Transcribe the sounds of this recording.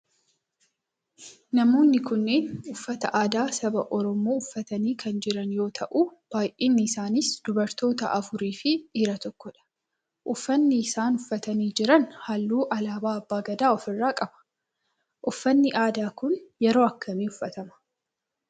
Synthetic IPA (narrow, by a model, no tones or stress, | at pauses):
nɐmo̞ːnːɪkʊnːeːnʊfːɐt̪ɐʔaːd̪aːsɐbɐʔɔɾɔmoːʊfːɐt̪ɐniːkʰɐnd͡ʒɪɾɐnjo̞ːt̪ʰɐʔuːb̥aːjʔiːnːɪːsaːnɪsd̪̥ʊbɐɾt̪o̞ːt̪ɐʔɐfʊɾiːfɪᶑiːɾɐt̪ɔkːɔᶑɐ̥ | ʔʊfːɐnːɪːsaːnʊfːɐt̪ɐniːd͡ʒɪɾɐnhalːuːʔɐlaːbaːɐbːaːɡɐd̪aːɔfɪrːaːkʼɐbɐ̥ | ʔʊfːɐnːɪʔaːd̪aːkʊnjɛɾo̞ːɐkːɐmiːʊfːɐt̪ɐmɐ̥